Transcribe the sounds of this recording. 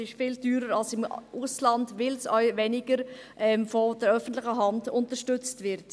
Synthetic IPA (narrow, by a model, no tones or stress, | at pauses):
ɪʃfiːldyːɾəɾɑlsɪmʔuslɑndvɪlsœ̰ʏvenɪɡəɾ | ʔɛmfɔd̥ɛɾœfən̩tlɪçəɦɑndʊntəʃtʏt͡stvɪɾt